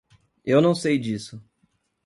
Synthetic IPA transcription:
ewnɐ̃w̃sejd͡ʒisʊ

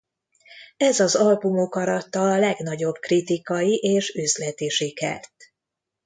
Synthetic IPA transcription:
ɛzɒzɒlbumokɒɾɒt̪ːɒlɛɡnɒɟo̞b̥krit̪ikɒjiʔeːʃøzlɛt̪eːʃikɛ̰rt̪

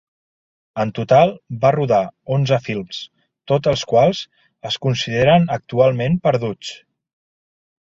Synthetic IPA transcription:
ənt̪ut̪alˠbaruðaonzəfilˠms | t̪ot̪əlˠskwalˠz | əskunsiðeɾənək̚t̪ualˠmempəɾð̞ut͡s

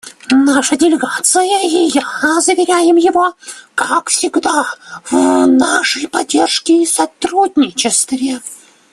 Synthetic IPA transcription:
naʂədʲɪlʲɪɡat̪sɨjəijazəvʲɪɾʲæjɪmjɪvokakfsʲɪɡd̪avnaʂəjpɐdʲːe̞rʂkʲɪisɐt̪ɾudʲnʲɪt͡ɕɪst̪vʲɪ

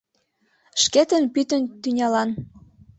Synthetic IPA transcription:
ʃket̪ənpyt̪ənt̪ynʲɑlɑn

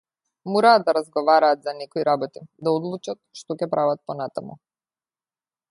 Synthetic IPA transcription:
mɔɾaːd̪d̪aɾazɡɔvaɾaːt̪zanɛkɔiɾabɔt̪id̪aɔd̪lˠut͡ʃat̪̚ʃt̪ɔcɛpɾʔavat̪̚pɔnat̪amṵ

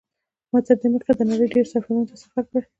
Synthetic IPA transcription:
mazab̚d̪əməɾt̪ad̪ənaɽəjɖeɾsafaɾunt̪asafaɾkaɾ

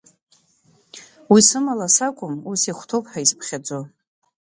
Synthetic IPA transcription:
wisɨmalasakʷʼʊmusiχʷtʰopʼħaispʰχʲad͡zo

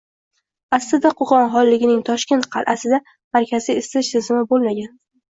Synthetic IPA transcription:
aslɪd̪aqʰoχɒnɦɒlˠːɪɡʲɪnɪŋt̪ʰɒʃkʲe̞nt̪̚qʰɑlˠʔasɪd̪a | maɾkʲʰaziɪsɪʃt̪ʰɪzɪmɪbolˠmaɡʲan

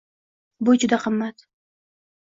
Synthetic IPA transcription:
bʊd͡ʒʊd̪aqʰɨmːat̪

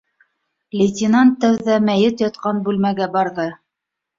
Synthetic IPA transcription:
lʲɪt̪ʲɪnɑnt̪ːæwðæmæjɘt̪jɑt̪qɑnbʉlmæɡæbɑɾðɤ

